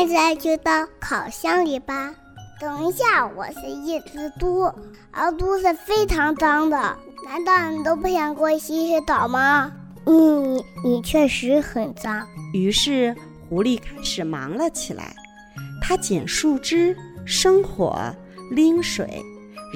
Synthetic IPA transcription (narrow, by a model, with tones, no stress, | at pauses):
ʈ͡ʂa˧˥t͡ɕjo˥˧ʊt̪ɑ˥˩ʊkʰɑ˨˩ʊɕjɑ˥ŋli˨˩bɐ˧˩ | t̪ɤ˨˩ŋi˧˥ɕja˥˩wɔ̰˨˩ʂɻ̩˥˧i˥˩t͡sɹ̩˧˩t̪u˥ | ə̰˧˥t̪u˥ʂɻ̩˥˧fe˥ɪʈ͡ʂʰɑ˧˥ŋt͡sɑ˥ŋd̪ə˨ | na˧˥nt̪ɑ˥˩ʊni˨˩t̪̬o˥ʊpu˥˩ɕjɑ˨˩ŋkwɔ˥˩˧ɕi˧˥˧ʂ̩˥˧t̪ɑ˨˩ʊmɐ˥ | n̩˥˩˨ni˨˩t͡ɕʰɥɛ˥˩ʂɻ̩˧˥xə˨˩nt͡sɑ˥ŋy˧˥ʂɻ̩˥˩ | xu˧˥li˥˩kʰa˥ɪʂɻ̩˨˩mɑ̰˧˥ŋlə˧t͡ɕʰi˨˩la̰˧˥ɪ | t̪ʰa˥t͡ɕjɛ̰˨˩nʂu˥˩ʈ͡ʂɻ̩˥ʂɤ˥ŋxwɔ̰˧˥ | li˥ŋʂwḛ˨˩˦ɪ